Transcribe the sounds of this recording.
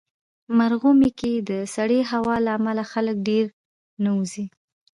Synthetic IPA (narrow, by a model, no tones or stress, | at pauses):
maɾɣumeked̪əsaɽeɦawɑlaːmalaxalək̚ɖeɾ | nauzi